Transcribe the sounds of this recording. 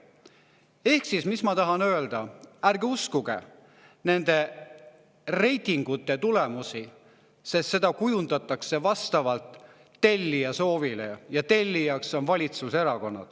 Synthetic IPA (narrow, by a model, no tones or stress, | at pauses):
e̞hksismismɑt̪ɑɦɑnø̞eld̪̥ɑæɾɡ̥euskuɡ̥e̞̰ | ne̞nd̪̥e̞ | re̞jt̪iŋɡ̥ut̪ːˑe̞t̪ule̞musi | sest̪se̞d̪̥ɑkujund̪̥ɑt̪ːˑɑkse̞vɑst̪ɑvɑlt̪ː | e̞lʲːijɑso̞ːvilḛjɑt̪e̞lʲːijɑkso̞nvɑlʲit̪suse̞ɾɑko̞nːɑ̰d̪̥